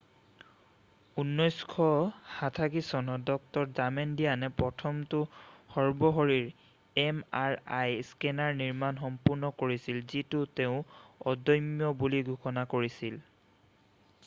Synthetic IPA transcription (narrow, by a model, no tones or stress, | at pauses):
unːɔjskʰɔhatʰakisɔnɔdɔk̚tɔɹzamendijanɛpɹɔtʰɔmtʊxɔɹbɔɦoɹiɹ | ɛmaɹajskɛnaɹniɹmanxɔmpuɹnɔkoɹisilzitʊteʊ̃ɔdɔjmjɔbuliɡʱukɔnakoɹisil